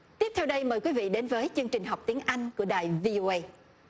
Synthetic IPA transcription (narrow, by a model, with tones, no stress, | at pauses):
t̪i˦˥əp̚t̪ʰɛ˧wɗə˧jməː˨˩jkwi˨˦vḭ˧˨ɗe˨˦nvəː˨˦jt͡ɕɨ˧ŋt͡ɕï˨˩ŋ̟ɦɔ˨˩wk͡p̚t̪i˨˦əŋʔa˧jŋ̟ku˧˩əɗaː˨˩jvi˧ʔo˧ʔə˧j